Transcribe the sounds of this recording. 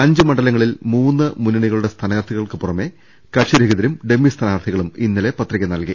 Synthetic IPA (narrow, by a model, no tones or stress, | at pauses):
ɐɲd͡ʑɨmɐɳɖɐlɐŋːɐɭilmuːnːɨmunːɐɳiɣɐɭuɽe̞st̪ʰɐnɐɣɐrt̪ʰːiɣɐɭkɨpurɐme̞ | kɐʂɐɾeɣiðɐɾumɖe̞mːist̪ʰɐnaːrt̪ʰiɣɐɭuminːɐle̞pɐt̪rikʲːɐnɐlki